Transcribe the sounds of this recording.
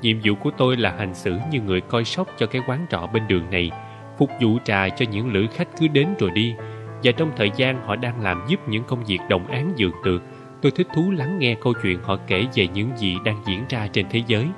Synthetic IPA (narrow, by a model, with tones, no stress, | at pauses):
ɲḭ˧˨əmzṵ˧˨ku˧˩ət̪o˧jlaː˨˩ha˨˩jŋ̟sɨ̰˧˩ɲɨ˧ŋɨ˨˩əjkɔ˧jsə˦˥wk͡p̚t͡ɕɔ˧kaː˨˦˥jkwaː˨˦nt͡ɕɔ̰˧˨ɓe˧nɗɨ˨˩əŋna˨˩j | fʊ˨˩k͡p̚zṵ˧˨t͡ɕa̰ː˨˩t͡ɕɔ˧ɲɨ̰˧˥ŋlɨ̰˧˥jxa˦˥jk̟̚kɨ˨˦ɗe˨˦nzo˨˩jɗi˧ | vaː˨˩t͡ɕɔ˧wŋ͡mt̪ʰəː˨˩jzaː˧nhɔ̰˧˨ɗaː˧ŋlaː˨˩mzu˦˥p̚ɲɨ̰˧˥ŋkə˧wŋ͡mvi˨˩ək̚ɗə̰˨˩wŋ͡mʔaː˨˦nzɨ̰˧˨˩əŋt̪ɨ˨˩ək̚ | t̪o˧jt̪ʰi˦˥k̚t̪ʰu˨˦la˨˦ŋːɛ˧kə˧wt͡ɕwḭ˧˨ənhɔ̰˧˨ke˧˩ve˨˩ɲɨ̰˧˥ŋzḭ˧˨ɗaː˧ŋzḭ˧˥ənzaː˧t͡ɕe˧nt̪ʰe˨˦zəː˨˦j